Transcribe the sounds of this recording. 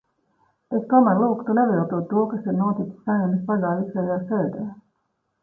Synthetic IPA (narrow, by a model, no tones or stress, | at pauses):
eskɔmaɾlˠuːkt̪uneviːlˠt̪ut̪ːuɔkasiɾnuɔt̪it̪saɲumispaɡ̪aːvisajaːsɛːd̪ɛː